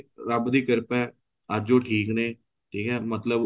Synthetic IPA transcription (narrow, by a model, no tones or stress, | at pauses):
ɾəbd̪iːkəɾpɛː | əd͡ʒoːʈʰiːknẽː | ʈʰiːkɛːmət̪ləb